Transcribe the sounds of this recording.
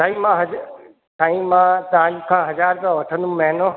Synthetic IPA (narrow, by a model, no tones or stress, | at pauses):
sʰaːĩmãɦɐ | sʰaːĩmãt̪ɐʋãɲkʰãːɦɐzaːɾkãʋɐʈʰə̃nd̪ũmɛɦɪno